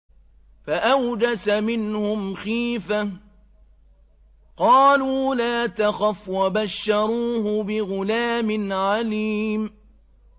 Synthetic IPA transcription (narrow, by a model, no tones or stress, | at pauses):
faʔawd͡ʒasamɪnhʊmxiːfa | qɑːluːlaːt̪axafwabaʃːɑɾˤuːɦʊbɪɣʊlaːmɪnʕaliːm